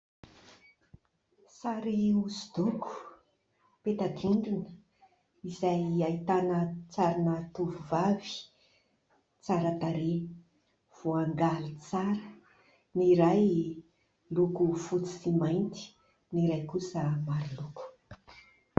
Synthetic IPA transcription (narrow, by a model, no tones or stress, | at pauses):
saɾiusud̪̥ukʰu̥ | pet̪aɡ̪iɳɖ͡ʐinə̥ | izajait̪anət͡saɾanət̪uvuvavi̥ | t͡saɾət̪aɾe | v̥oaŋɡalit͡saɾə | niɾaj | lukufut͡si̥simajnt̪i̥ | niɾajkusəmaɾiluku̥